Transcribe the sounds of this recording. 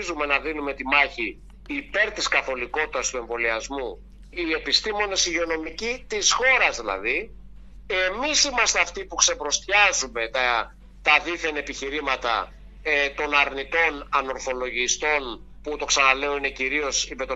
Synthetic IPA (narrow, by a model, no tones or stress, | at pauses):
zume̞nɐðinume̞t̪imɐçiː | pe̞ɾt̪iskɐθo̞liko̞t̪i̥t̪ɐst̪ue̞ɱvo̞liɐzmu | ie̞pist̪imo̞ne̞siʝeo̞no̞micit̪isxo̞ɾɐzðilɐ̰ði | emisimɐst̪eɐft̪ipukse̞pɾo̞st̪çɐzume̞t̪ɐ | t̪ɐðiθene̞piçiɾimɐt̪ɐ̰ | t̪o̞nɐɾnit̪o̞nɐno̞ɾfo̞lo̞ʝist̪o̞n | put̪o̞ksɐnɐle̞o̞ine̞ciɾio̞sipet̪o